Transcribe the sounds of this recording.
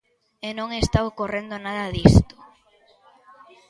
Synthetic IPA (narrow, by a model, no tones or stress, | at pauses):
enõŋest̪awkorend̪onað̞ɐðist̪ʊ̥